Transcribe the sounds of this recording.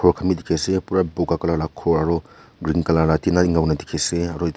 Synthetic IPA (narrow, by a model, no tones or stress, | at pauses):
kʰɔɾkʰamidikʰesepuɾabukakɐlaɾakʰɔɾaɾɔ | ɡɾiŋkɐlaɾatinaŋawnadikʰeseɐɾɔj